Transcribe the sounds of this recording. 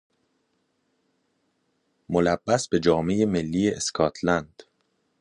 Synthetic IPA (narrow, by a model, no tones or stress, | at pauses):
molæbːæsbe̞d͡ʒɒːme̞jemelːiːjeʔeskʰɒːt̪ʰlænd̪̥